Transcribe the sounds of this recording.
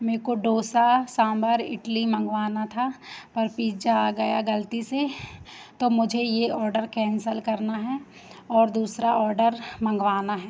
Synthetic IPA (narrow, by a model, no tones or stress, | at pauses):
meːkoɖoːsasãːmbəɾɪ̰ʈlimɐ̃ŋɡʋaːnat̪ʰapɐɾpiːd͡ʒaɡɐjaɡɐlt̪ise | t̪omʊd͡ʒʱejeɔːɾɖəɾkɛ̃ːnsəlkɐɾnaɦɛ | ɔːɾd̪uːsɾaɔːɾɖəɾmɐ̃ŋɡʋaːnaɦɛː